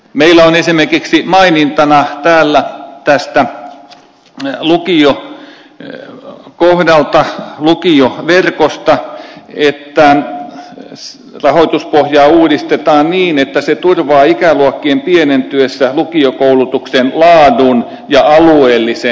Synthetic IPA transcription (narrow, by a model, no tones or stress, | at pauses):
meilːˑæonesimerkiksimɑinint̪ɑnɑt̪æːlːæt̪æst̪æ | lukio | kohdɑlt̪ɑlukioʋerkost̪ɑet̪ːæ | rɑhoit̪uspohjɑːuːdist̪et̪ɑːnniːnet̪ːæset̪urʋɑːikæluokːiempienent̪yøsːælukiokoulut̪uksenlɑːdun | jɑɑlueːlːise